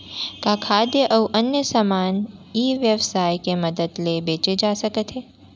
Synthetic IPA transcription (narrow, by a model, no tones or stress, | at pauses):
kakʰaːd̪jəʔɐuʔɐnjəsamaːniːʋjəʋsaːjkemɐd̪əd̪lebeːt͡ʃed͡ʒaːsɐkət̪ɦeː